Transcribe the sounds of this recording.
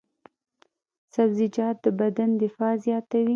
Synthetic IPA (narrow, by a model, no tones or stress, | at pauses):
sabzɪd͡ʒɑt̪̚d̪əbad̪and̪ɪfɑzjɑt̪awi